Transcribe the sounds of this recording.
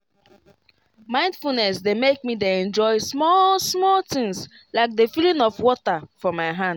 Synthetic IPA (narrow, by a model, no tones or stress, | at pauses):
mãɪ̃ndfulnɛsdemek̚mideɛ̃nd͡ʒɔɪsmɔlsmɔltĩŋs | laɪk̚defilĩnɔfwɔtafɔmaɪɦãnd̥